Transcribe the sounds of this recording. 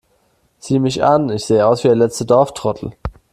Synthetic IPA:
z̥iːəmɪçʔanɪçz̥eːəaʊsv̥iːdɛɐlɛt͡stədɔɐftʁ̥ɔtʰl̩

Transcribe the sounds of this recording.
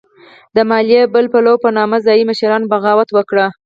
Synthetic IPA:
d̪əmɑlijebəlpalawpənɑmazɑjiməʃɾɑnbaɣɑwat̪wəkɽa

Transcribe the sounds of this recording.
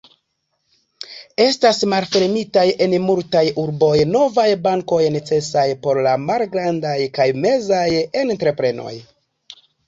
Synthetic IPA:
e̞stasmalfe̞ɾmitaje̞nmultajuɾbo̞jno̞vajbaŋko̞jne̞t͡se̞sajpo̞ɾlamalɡɾandajkajme̞zaje̞ntɾe̞pɾe̞no̞̰j

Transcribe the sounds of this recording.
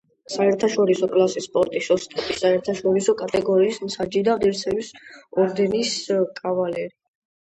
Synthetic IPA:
saɛɾt̪ʰaʃɔɾisɔkʼlasispʼɔɾt̪ʼisɔst̪ʼɛbisaɛɾt̪ʰaʃɔɾisɔkʼat̪ʼɛɡɔɾiːsmsʰad͡ʒid̪aʁɛɾt̪sʰɛmisɔɾd̪ɛniskʼavalɛɾi

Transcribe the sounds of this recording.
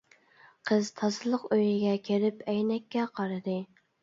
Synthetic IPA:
qʰəz̥t̪ʰɑzɨlˠəqøjɪɡʲɛkʲʰeɾɪpʰɛjnɛkʲːɛqʰɑɾɨd̪ɨ

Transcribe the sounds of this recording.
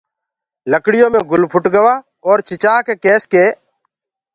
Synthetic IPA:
ləkɽɪjõːmẽːɡʱʊlpʰʊʈɡəʋaː | ɔːɾt͡ʃɪt͡ʃaːkeːkeːskeː

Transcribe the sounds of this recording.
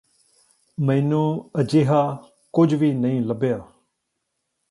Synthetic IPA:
mɛ̃ːnũːəd͡ʒeːɦaː | kʊd͡ʒʋiːnəĩːləbjaː

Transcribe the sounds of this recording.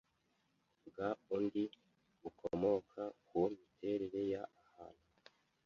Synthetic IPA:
ɡaundi | ukʰo̰mo̞kʰakumitʰe̞ɾeɾe̞jaːha̰no

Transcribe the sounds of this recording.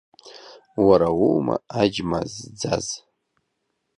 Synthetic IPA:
waɾawuwma̰ad͡ʒmazd͡zaz

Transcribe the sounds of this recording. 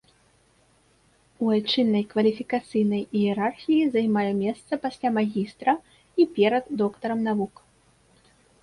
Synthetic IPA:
uat͡ʂɨnːɐjkvɐlʲifʲikat̪sɨjnɐjiɛɾarxʲijizajmajɛmʲɛst̪sɐpasʲlʲamaɣʲist̪ɾɐ | ipʲɛɾɐd̪ːɔkt̪ɐɾɐmnavuk

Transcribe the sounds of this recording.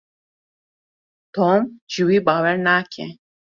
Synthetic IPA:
t̪ʰɔmd͡ʒiwibaːwɛɾnaːkʰɛ̰

